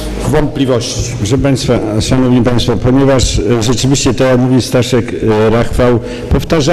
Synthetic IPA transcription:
vɔnt̪̚pʲlʲivɔɕt͡ɕi̥ʐɛpaj̃st̪faʂanɔvɲipaj̃st̪fɔpɔɲɛvaʂʐɛt͡ʂɘvʲiɕt͡ɕɛt̪ɔjakmuvʲist̪aʂɛkɾaxfaw | pɔft̪aʐa

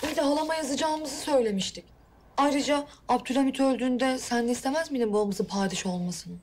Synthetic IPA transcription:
ijʲd̪ɛɦalˠamajazɯd͡ʒaːmɯzɯsø̞jlʲe̞miʃt̪ʰic | ajɾɯd͡ʒaapt̪ʰyɾamit̪ʰø̞lʲd̪yːnd̪ɛsænlɛist̪ʰe̞mæzminɛbuamɯzɯpʰaːd̪iʃo̞lˠmasɯn

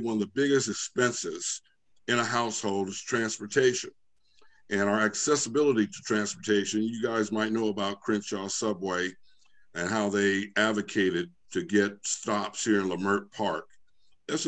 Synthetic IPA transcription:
wʌ̃nʌvðəbɪɡɨstɨkspɛ̃nsɪz̥ | ɨ̃ñəɦaʊshoʊlˠdɨz̥tʰɹ̥æ̃nspə˞tʰeɪʃɨ̰̃n | ʔɨ̃ñaʊə˞ɨksɛsəbɪlˠəɾiɾɨtʰɹ̥æ̃nspə˞tʰeɪʃɨ̃njɨɡaɪzmaɪtⁿnoʊəbaʊt̚kʰɹ̥ɪ̃nʃɑsʌbweɪ | ɨ̃nɦaʊðeɪædvɨkʰeɪɾɨd̚tʰɨɡɛt̚stɑpshiɹɨ̃nləmɜ˞t̚pʰɑɹk̚ | ðæts

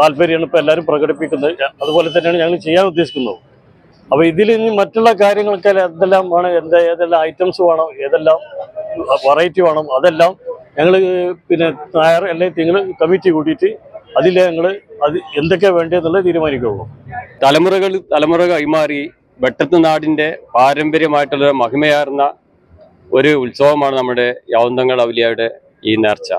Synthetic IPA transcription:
aːlbɐɾijaːɳipːoelːaːɾumprɐɣɐɽipːikʲːunːɐðɨɐðubo̞ːle̞t̪̬ɐnːeaːɳɨɲɐŋːɐɭt͡ɕe̞jːaːnud̪ːe̞ɕi̥kʲːunːɐ̰ðɨ | ɐpːɐːiðilɲːimɐtːuɭːɐkaːɾjɐŋːɐɭkːelɐnd̪elːaːmaːɳɨend̪eeːðelːaːmɐjtːɐmsʋaːɳɐme̞ːðelːaːm | ʋɐrɐjitːiʋaːɳɐmɐðe̞lːaːmɲɐŋːɐɭpinːenajrelːajt̪ːiŋːɐɭkɐmitːikuːʈːijitːɨɐðilːɐɲɐŋːɐɭɨɐðiend̪o̞k̬ːe̞ʋe̞ːɳɖienːuɭːet̪̬iːɾumaːnikʲːɐuɐ̰mt̪ɐlɐmurɐɣɐɭt̪ɐlɐmurɐɣɐimaːri | beʈːɐt̪ːɨnaːɽinde̞paːɾɐmbɐɾjɐmaːjiʈːuɭːoɾɨmɐɦimɐjaːrunːɐ | o̞ɾuulsɐʋɐmaːɳɨnɐmːuɽejaːnd̪ɐŋːɐɭɐʋilijaːjiʈːɨ | iːneːrt͡ɕːɐ̰

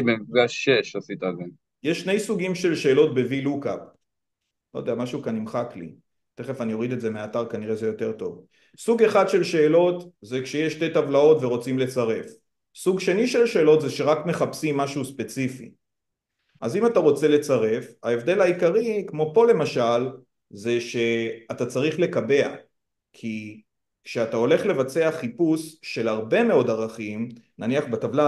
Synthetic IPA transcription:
bemifɡaʃeʃasit̪aze | jeʃːnejsuɡimʃe̞lʃe̞ːlo̞t̚be̞viluka̰p | lodejamaʃukanimχaklḭ | t̪e̞χe̞fanijo̞ʁid̪etze̞meataʁkaniʁeze̞jo̞te̞ʁto̞v | suɡe̞χad̪ʃe̞lʃe̞ːlo̞tzekʃe̞jeʃte̞tavlao̞tveʁo̞t͡simle̞t͡saʁe̞f | suɡʃe̞niʃe̞lʃe̞ːlo̞tzeʃe̞ʁakme̞χapsimːaʃuuspe̞t͡sifḭ | ʔazimataʁo̞t͡se̞le̞t͡saʁe̞fae̞vd̪e̞lhaikaʁikmo̞po̞le̞maʃal | ze̞ʃe̞atat͡saʁiχle̞kabe̞a̰ | kʰi | kʃeatao̞le̞χle̞vat͡se̞aχipusʃe̞lhaʁbe̞me̞o̞daʁaχimnaniaχbatavla

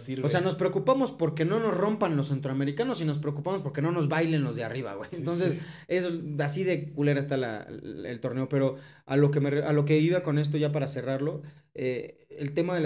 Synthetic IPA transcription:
ioseano̞spɾe̞okupamo̞spo̞ɾke̞no̞no̞zro̞mpanlosːe̞nt̪ɾoame̞ɾikano̞sino̞s̬pɾe̞okupamo̞spo̞ɾke̞no̞no̞zβajle̞nlo̞zðeariβa̰ɣwejnt̪o̞ns̬ese̞sasiðe̞kuleɾaest̪ala̰ḛlt̪o̞ɾne̞o̞pe̞ɾo̞ | alo̞kemereʔalo̞k̬e̞βiβako̞ne̞s̬t̪oʝapaɾase̞raɾlo̞eelt̪e̞maðel

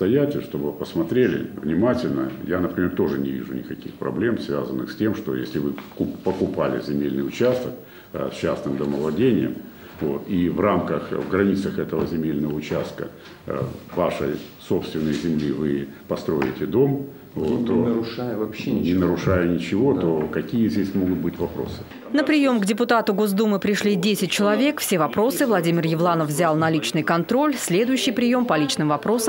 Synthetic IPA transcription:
t̪ɐjætʲɪʂt̪o̞bɨpəsmɐt̪ɾʲelʲɪ̰vnʲɪmatʲɪlʲnə̰janəpɾʲɪmʲe̞rt̪o̞ʐɨnʲɪvʲḭʐʊnʲɪ̰kɐkʲixpɾɐ̰blʲe̞msvʲa̰zənːɨ̰xsʲtʲe̞mʂt̪o̞jesʲlʲɪvɨkʊpəkʊpalʲɪ̰zʲɪmʲelʲnɨjʊt͡ɕast̪ək̚ | sʲt͡ɕːasnɨmd̪əməvlˠɐdʲenʲɪjəm | vo̞̰t̪ivramkəxvɡɾɐnʲit̪səxɛt̪əvəzʲɪmʲelʲnəvəʊt͡ɕast̪̚kə̰ | vaʂəjso̞pst̪vʲɪnːəjzʲɪmlʲivɨpɐst̪ɾo̞̰ɪ̰tʲɪd̪o̞m | vot̪ːoɾjnʲɪnəɾʊʂajʊnʲɪt͡ɕɪvo̞t̪o̞kɐkʲijəzʲdʲesʲmo̞ɡʊt̪̚bɨtʲvɐpɾo̞̰sɨ̥ | nəpɾʲɪjo̞mɡdʲɪpʊt̪at̪ʊɡo̞zd̪umɨpɾʲɪʂlʲidʲesʲɪt̚ʲt͡ɕɪlˠɐvʲe̞kfsʲe̞vɐpɾo̞sɨvlˠɐdʲimʲɪrjɪvlˠanəfvzʲalˠnɐlʲit͡ɕnɨjkɐnt̪ɾo̞lʲsʲlʲe̞d̪ʊjʉɕːɪjpɾʲɪjo̞mpɐlʲit͡ɕnɨmvɐpɾo̞səm

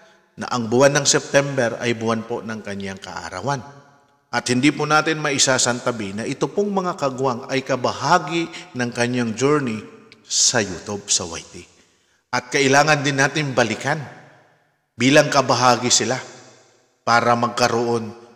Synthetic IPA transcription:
nɐ̰ʔɐŋbʊwanːɐŋsɛp̚t̪ɛmbɛɾɐ̰jbʊwanpo̞nɐŋkɐɲaŋkɐ̰ʔa̰ɾa̰wan | ʔɐt̪̚hɪnd̪ipʊnaːt̪ɪnmɐʔɪsasɐnt̪ɐbinɐʔɪt̪opoŋmɐŋakɐɡʊwaŋɐjkɐbɐhaːɡɪnɐŋkɐɲːaŋd͡ʒuɹnɪsɐjut̪ʊb̚sɐwa̰jt̪i | ʔɐt̪̚kɐʔɪlaːŋɐnd̪ɪnːaːt̪ɪnbɐlɪkan | biːlɐŋkɐbɐɦaːɡɪsɪla | paːɾɐmɐɡ̚kɐɾoʔo̞n

